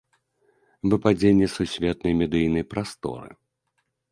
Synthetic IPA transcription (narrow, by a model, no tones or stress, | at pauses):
vɨpad͡zʲenʲːɛsusʲvʲɛt̪̚nɐjmʲɛd̪ɨjnɐjpɾast̪ɔ̰ɾɨ̰